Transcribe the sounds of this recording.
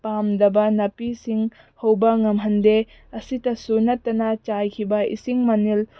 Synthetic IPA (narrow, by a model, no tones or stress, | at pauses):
pamdɐbɐnɐpisiŋ | howbɐŋɐmɦɐnde | ɐsitɐsunɐtːɐnɐt͡ʃajkʰibɐḭsiŋmɐnil